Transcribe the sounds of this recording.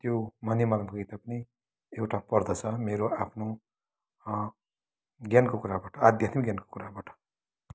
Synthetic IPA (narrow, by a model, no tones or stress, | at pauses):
t̪jomʌnjemalmkʌjt̪apʌni | ewʈapʌrd̪ʌt͡sʰʌmeɾoapʰno | ɡjankokuɾabaʈʰʌad̪ʱjat̪miɡʲjanko̥kuɾabaʈʰʌ̥